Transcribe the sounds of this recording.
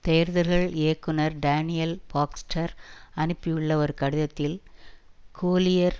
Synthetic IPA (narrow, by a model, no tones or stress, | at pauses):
t̪eːɐɾðɯɾɣɐɭeːkːɯnɐɾɖaːnɪjɐlbaːksʈʰɐɾɐnɯpːɪjɪɭːɐɔɾɯkɐɽɯðɐt̪ːɪl | kʰoːlɪjɐɾ